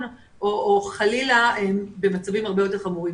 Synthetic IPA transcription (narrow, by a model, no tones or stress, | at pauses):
n | ʔooχalilaembe̞mat͡savimhaʁbejote̞χamuʁim